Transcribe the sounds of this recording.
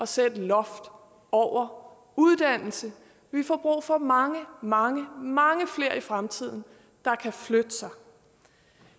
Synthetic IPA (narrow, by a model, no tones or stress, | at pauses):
ʔɒ̽sed̥əlɒ̽fd̥ | ɒʊ̰ɐ | uð̞ˠd̥æn̰l̩sə | ʋifɒ̰ːb̥ʁṵːfɒ̽mɑ̈ŋəmɑ̈ŋəmɑ̈ŋəfle̝ːɐ̰ifʁamt͡sʰið̞̰ˠn̩ | d̥ɑ̈kʰæflød̥əsɑ̈ɪ